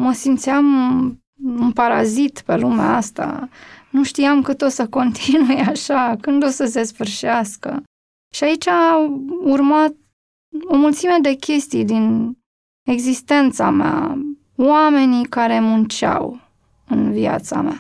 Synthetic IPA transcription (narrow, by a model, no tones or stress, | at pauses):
məsimt̪siam | unpaɾazit̪pe̞luma̰ast̪a̰nuʃt̪iamkɨt̪o̞səko̞nt̪ʰinujeaʃakɨnd̪o̞səs̬e̞sfɨrʃiaskə̰ | ʃiait͡ʃʲa | urmat̪̚ | o̞mult̪sime̞d̪e̞kʲʰe̞st̪ijd̪in | e̞ɡzist̪e̞nt̪samea̰ | wame̞nikaɾe̞munt͡ʃa̰w | ɨnvia̰t̪sa̰ma̰